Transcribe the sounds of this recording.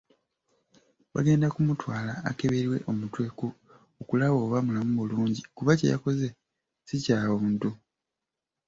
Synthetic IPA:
βa̰ɡe̞ːndakumutwaːlaːke̞βeɾwe̞̰ʔo̞mutwe̞ku | okulaβo̞ːβamulamumuluːɲɟikuβacḛja̰ko̞ze̞ | sicaːβuːntu

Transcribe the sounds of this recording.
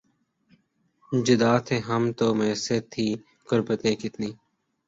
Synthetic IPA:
d͡ʒɪd̪aːt̪ʰeːɦəmt̪oːmeːseːt̪ʰːiː | kʊɾbət̪ẽːkɪt̪niː

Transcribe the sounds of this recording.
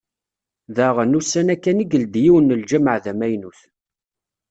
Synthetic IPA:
ðæʁənusːænækːæniɡəld̪jiwənːəld͡ʒæməʕðæmæjnuθ

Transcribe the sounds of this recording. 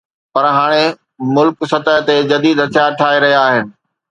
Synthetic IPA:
pɐɾɦaːɽ̃e | mʊlksɐt̪əɦt̪ed͡ʑɐd̪iːd̪ɐt̪ʰijaʈʰaːeɾɐɦijaːɦɪnɪ̆

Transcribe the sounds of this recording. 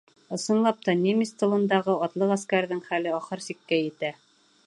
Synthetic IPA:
ɤ̆sɤ̆nlˠɑp̚t̪ɑnʲemist̪ɤ̆lˠɤ̆nd̪ɑʁɤɑt̪lˠɤqæskæɾðɘŋχælɘɒχɤɾsikːæjɘ̆t̪æ

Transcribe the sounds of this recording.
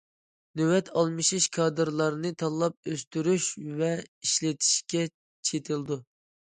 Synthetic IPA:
nøwɛt̪ʰɑlˠmɨʃiʃkʰɑːd̪ɨɾlˠɑɾɨnɨt̪ʰɑlˠɑp̚øst̪yɾyʃvɛiʃlɪt̪ʰi̥ʃkʲɛ | t͡ʃʰet̪ʰɨlˠd̪u

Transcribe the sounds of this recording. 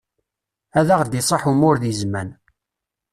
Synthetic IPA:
æðaʁd̪isˤɑħumʊɾðizmæn

